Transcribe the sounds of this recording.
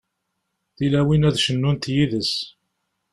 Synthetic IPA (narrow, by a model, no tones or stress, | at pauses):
θilæwinæðʃənːunt̪jiðəs